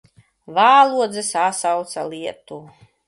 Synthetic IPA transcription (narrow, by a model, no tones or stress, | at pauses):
vaːlˠuɔd̪zɛsasawt̪saliɛt̪u